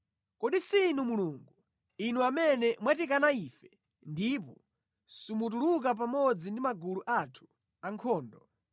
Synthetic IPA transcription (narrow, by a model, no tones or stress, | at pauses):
kɔɗisinumuluːŋɡu | inuamɛnɛmwatikanaifɛ | ndip̬ɔ | sumut̬uluk̬ap̬amɔd͡zindimaɡuluʔatʰu̥ | aŋkʰɔːndɔ